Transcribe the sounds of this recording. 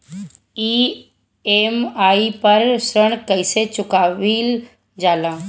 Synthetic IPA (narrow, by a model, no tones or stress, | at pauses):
iː | eːmaːipɐɾsɾəɳ̃kəɪset͡ʃʊkaːʋiːl | d͡ʒaːlãː